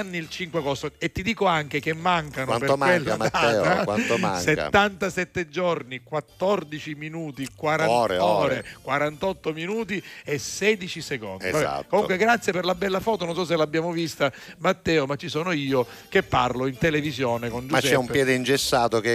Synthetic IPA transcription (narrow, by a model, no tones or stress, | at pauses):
nːiilt͡ʃiŋkwakɔst̪oet̪ːid̪iːkoaŋk̟ek̟emːaŋkanoanpeɾomawelːaat̪aɛːakwant̪oma̰ŋseka̰ːant̪asɛt̪ːed͡ʒornikwat̪ːɔrd̪it͡ʃiminuːt̪ikwaɾaɾɔːɾekwaɾant̪ɔt̪ːominuːt̪iesɛːd̪it͡ʃiseko̰ndiza̰t̪komukweɡɾat̪sːjeperlabɛlːafɔːt̪ononsɔs̬elabːjaːmovist̪amat̪ːɛːomat͡ʃːisoːnoiːo | k̟epːarloint̪elevizjoːnekond͡ʒumst͡ʃɛɛumpːjɛːd̪eind͡ʒesːaːt̪oke